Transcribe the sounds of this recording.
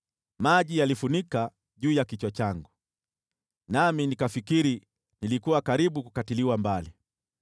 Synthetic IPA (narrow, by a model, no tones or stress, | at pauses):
maʄijalifunika | ʄuːjakit͡ʃwat͡ʃaŋɡu | naminikafikiɾi | nilikuwakaɾiɓukukatiliwambali